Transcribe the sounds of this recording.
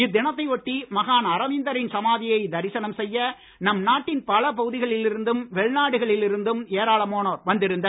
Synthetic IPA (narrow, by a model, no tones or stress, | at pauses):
ɪd̪ːɪnɐt̪̬ːɐɪʋɔʈːimɐɣaːnɐɾɐʋɪnd̪ɐɾɪnsɐmaːðɪjɐɪd̪ɐɾɪsɐnɐmsɛjːɐ | nɐmnaːʈːɪnpɐlɐp̬ɐɣɯðɪɣɐɭɪlɪɾɯnd̪ɯmʋɛɭnaːɽɯɣɐɭɪlɪɾɯnd̪ɯmeːɾaːɭɐmoːnoːɾʋɐnd̪ɪɾɯnd̪ɐ